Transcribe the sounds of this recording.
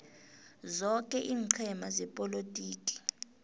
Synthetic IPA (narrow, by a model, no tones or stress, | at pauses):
zɔkʼɛʔiːŋǀʰɛmazɛpʼɔlotʼiːkʼi̥